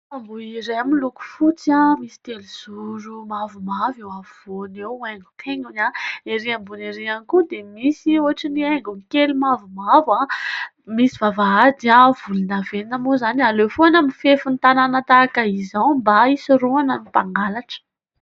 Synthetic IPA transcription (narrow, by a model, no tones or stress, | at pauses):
ambuiɾeamiluku̥fut͡sãmisi̥t̪eliz̥uɾumavumavewavoneweŋɡu̥t̪ʰeŋɡuɲaeɾiambuneɾianikud̪emisioɦaʈ͡ʂinieŋɡuŋkelimavumava | misivavaad̪iavulunaveinamozanialefoanəmifefunt̪ananat̪akaizawmbaisiruanamipaŋɡalaʈ͡ʂə̥